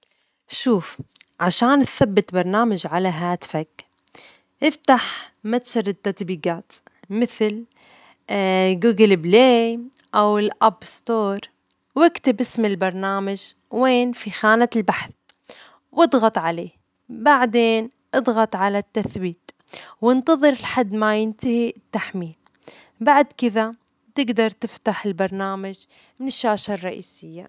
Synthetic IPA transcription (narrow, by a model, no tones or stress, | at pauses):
ʃuːfʕaʃaːnθabːɪt̪bɑɾˤnaːmad͡ʒʕalaɦaːt̪ɪ̥fak | ʔɪft̪aħmat̪ʃɑɾˤɪt̪ːat̪biːɡaːt̪ | mɪθl | ɡuːɡɪlbleː | ʔawɪlʔabst̪oːɾˤ | wɪkt̪ɪbʔɪsmɪlbɑɾˤnaːmad͡ʒ | weːnfixaːnalbaħθ | wʔɨd̪ˤɣɑt̪ˤʕaleː | baʕd̪eːn | ʔɨd̪ˤɣɑt̪ˤʕalat̪ːaθbiːt̪ | wɪnt̪ɑðˤɨɾɪlħad̪ːmajɪnt̪ahit̪ːaħmiːl | baʕd̪kɪða | t̪ɪɡd̪ɑɾˤt̪ɪft̪aħɪlbɑɾˤnaːmad͡ʒ | mɪnɪʃːaːʃarˤːɑʔiːsɪjːa